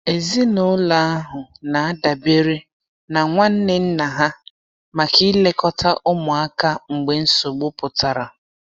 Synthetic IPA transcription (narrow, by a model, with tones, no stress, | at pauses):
e˨zi˦nʊ˦la˦a˦ɦʊ˨na˨a˦da˨be˦ɾe˦ | na˨ŋʷa˦n̩˦nɪ˦n̩˦na˨ɦa˦ | ma˨ki˦le˦kɔ˦tʰa˦ʔʊ˦mʊ˨a˦ka˦ŋ͡m̩˨ɡ͡be˨n̩˦so˨ɡ͡bʊ˦pʊ˨ta˨ɾa˨